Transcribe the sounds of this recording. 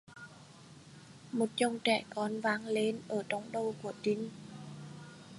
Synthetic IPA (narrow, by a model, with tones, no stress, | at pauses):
mo˨˩t̚t͡ɕə˧˩wŋ͡mt͡ɕɛ˧˩kɔ˨˧nvaː˨˦ŋle˨˧nʔəː˧˩t͡ɕɔ˨˦wŋ͡mɗə˧wku˧˩ət͡ɕï˨˦ŋ̟